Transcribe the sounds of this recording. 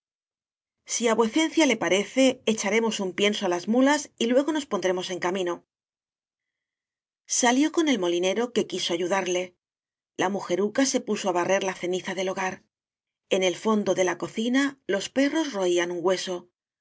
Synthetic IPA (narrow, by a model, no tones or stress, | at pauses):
siaβwe̞θe̞n̟θjale̞paɾe̞θe̞ːt͡ʃaɾe̞mo̞sumpje̞nsoalazmulasilwe̞ɣo̞no̞spo̞nd̪ɾe̞mo̞se̞ŋkamĩno̞ | saljo̞ko̞ne̞lmo̞line̞ɾo̞ke̞kiso̞aʝuðaɾle̞ | lamuxe̞ɾukase̞puso̞aβare̞ɾlaθe̞niθaðe̞lo̞ɣ̞aɾ | e̞ne̞lfo̞nd̪o̞ðe̞lako̞θinalo̞spe̞ro̞zro̞ianuŋɡwe̞so̞